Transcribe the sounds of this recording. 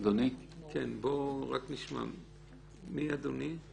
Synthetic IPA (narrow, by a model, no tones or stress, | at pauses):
d̪unikʰenboʁakniʃma̰m | miad̪uni